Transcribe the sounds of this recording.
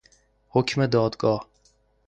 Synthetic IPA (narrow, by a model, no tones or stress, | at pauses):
hokʰʲmad̪ɒd̪ɡɒ